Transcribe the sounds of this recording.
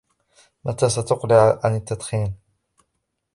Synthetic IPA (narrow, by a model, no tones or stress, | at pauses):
mat̪aːsat̪ʊqlɪʕʕa̰nɪt̪ːad̪xiːn